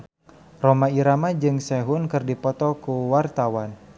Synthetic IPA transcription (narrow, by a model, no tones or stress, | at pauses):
romaiɾamad͡ʒɨŋsɛɦʊnkɨrdipɔt̪ɔkuwart̪awan